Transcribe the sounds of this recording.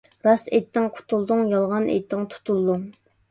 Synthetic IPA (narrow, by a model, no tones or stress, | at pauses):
ɾɑst̪ejt̪ʰːɪŋqʰʊ̥t̪ʰulˠd̪ʊŋjɑlˠʁɑnʔḛjt̪ʰːɪŋt̪ʰu̥t̪ʰulˠd̪uŋ